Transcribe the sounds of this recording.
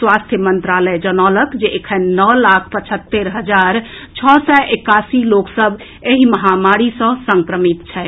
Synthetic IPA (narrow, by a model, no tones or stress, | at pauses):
swast̪ʰjəmənt̪ɾaləjd͡ʒənɔləkd͡ʒeʔekʰənnəlakʰpət͡ʃʰət̪ːeɾɦəd͡ʒaɾ | t͡ʃʰɔsɛʔekasiloksəb | eɦiməɦamaɾisə̃səŋkɾəmit̪t͡ʃʰɛ